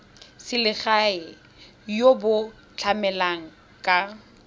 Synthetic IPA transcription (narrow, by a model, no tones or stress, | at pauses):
sɪlɪχaɪ | jobʊ | t͡ɬʰamɛlaŋ̩ | kʼa